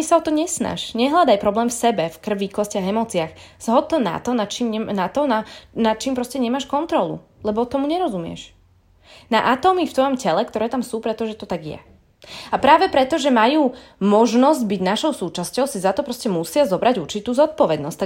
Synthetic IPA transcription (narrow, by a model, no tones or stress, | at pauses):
isaɔt̪ɔɲɛsna̰ʃɲɛɦlad̪ajpɾɔblɛːmfsɛbɛfkr̩ʋːiːklɔscɪaɣɛmɔːt͡siax | z̥ɦɔd̪̚t̪ːɔna̰t̪ɔnat͡ʃiːmɲɛnat̪ɔnanat͡ʃiːmpɾɔscɛɲɛmaːʃkɔnt̪ɾɔlṵlɛbɔt̪ɔmuɲɛɾɔzumɪɛ̰ʃ | naʔat̪ɔːmift̪ʋɔjɔmcɛlɛkt̪ɔɾɛːt̪amsuːpɾɛt̪ɔʒɛt̪ɔt̪aɡjɛ̰ | apɾaːʋɛpɾɛt̪ɔʒɛmajuːmɔʒnɔzɟbiɟnaʃɔʊsuːt͡ʃascɔʊsizat̪ɔpɾɔscɛmusɪazɔbɾaɟuɾt͡ʃit̪uːzɔt̪̚pɔʋɛd̪nɔst̪a